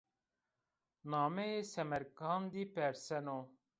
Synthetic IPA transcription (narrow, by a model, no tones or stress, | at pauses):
naːmɛjeːsɛmɛɾkɑːnd̪iːpɛɾsɛno